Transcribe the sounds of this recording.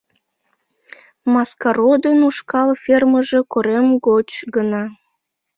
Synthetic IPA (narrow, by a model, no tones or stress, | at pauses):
mɑskɑɾod̪enuʃkɑlfʲerməʒe̽koɾemɡot͡ɕɡənɑ